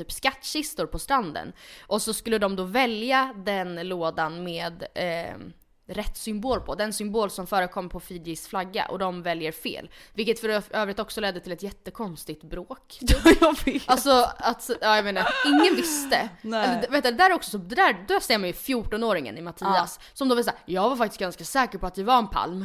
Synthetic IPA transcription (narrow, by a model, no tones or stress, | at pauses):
yːpskat̪ːɕɪst̪ʊɾpʰɔst̪ɾand̪ə̰nʔɔsɔskɵlːəd̪ɔmd̪ɔvɛljad̪ɛnloːd̪anmeːd̪ | ɾɛt̪ːsʏmboːlpʰɔd̪ɛnsʏmboːlsɔmfœːɾəkʰɔmːəɾpʰɔfiːd̪ɪsflaɡːa̰ʔɔ̰d̪ɔmvɛljəɾfḛːlvɪlkət̪fœɾøːvɾɪt̪ɔksɔlɛd̪ːət̪ʰɪlɛt̪jɛt̪ːəkʰɔnst̪ɪt̪bɾoːkfalsɔat̪ɑːjameːnaɾɪŋːənvɪst̪əɛlet̪ːəd̪ɛd̪æːɾɛɾɔksɔsɔd̪ɛd̪æːɾd̪ɔæseːmanjɵfjuːʈɔnoːɾɪŋə̰nɪmat̪ʰiːasːɔmd̪ɔvɪsajɑːɡvaɾfak̚t̪ɪst̪ɡanskasɛːkəɾpʰɔat̪̚d̪ɪvaɾɛnpʰa̰lm